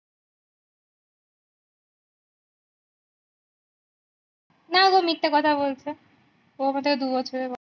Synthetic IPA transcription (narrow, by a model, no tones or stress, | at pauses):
naɡomiʈ̪ːekɔt̪ʰaβbolt͡ɕʰe | omad̪eked̪ubɔt͡ɕʰoɾebɔ